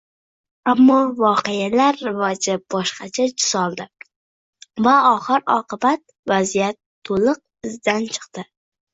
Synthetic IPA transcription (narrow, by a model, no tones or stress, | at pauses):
amːɒvɒqejalaɾːɪvɒd͡ʒɪb̥ɒʃqɑt͡ʃʰad͡ʒʊsɒlˠd̪ɪ | vaɒχɨɾɒ̰qʰɨbat̪̚ | vazijat̪ʰːolˠɨq̚ɪzd̪ant͡ʃʰɨ̥qt̪ɪ